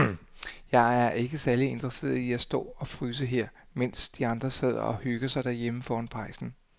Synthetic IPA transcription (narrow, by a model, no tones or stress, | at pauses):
jɑ̈ɪæɐʔe̝ɡ̥əsæɐlie̝nd̥ʁɐse̝̰ːɐð̩ˠiæsd̥ɔ̰̽ːɒ̽fʁyːs̬əɦeɐ̰ | men̰sd̥iɑ̈nd̥ʁɐse̝ð̞̰ˠɐ̰ɒ̽hyɡ̥ɐsɑ̈ɪd̥æɐ̰jeməfɒːɒnpʰʁɑ̈ɪsn̩